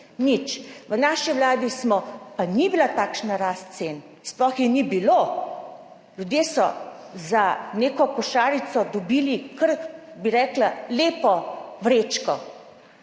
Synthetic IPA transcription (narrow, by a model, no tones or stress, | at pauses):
nit͡ʃʋənaːʃiʋlaːd̪ismɔpanibilat̪aːkʃnaɾaːst̪sen | splɔxjɛnibiloː | lʲjud̪jeːsɔ̰zaneːkɔkɔʃaːɾisɔd̪ɔbiːlikəɾbiɾɛːklaleːpɔʋɾeːt͡ʃkɔ